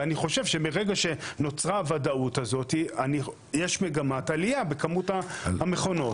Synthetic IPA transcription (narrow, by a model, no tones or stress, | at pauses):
aniχo̞ʃevʃe̞meʁeɡaʃe̞no̞t͡sʁaːvadautazo̞tiani | jeʃme̞ɡamatalijabe̞kamutaame̞χo̞no̞